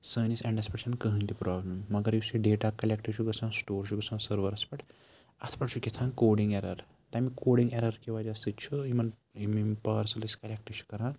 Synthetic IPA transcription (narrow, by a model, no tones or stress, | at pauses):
səːnisɐ̃ɳɖɐspɐɾeʃɐnkɐɦɨ̃nt̪ipɾʔɔːblɐmːɐɡɐɾjusiɖeːʈakɐlʲekʈit͡ʃʰuɡɐsʰãːsʈoːɾt͡ʃʰuɡɐsʰãsɐɾʋɐɾɐspɐʈ | ɐt̪ʰpɐʈt͡ʃʰukʲit̪ʰãːnkoːɽĩŋɡeɾɐɾ | t̪ɐmikoːɽiŋɡeɾɐɾkiʋad͡ʒasɨt̪t͡ʃʰuimɐnimimpɐːɾsɐliskɐlʲek̚ʈit͡ʃʰu̥kɐɾãː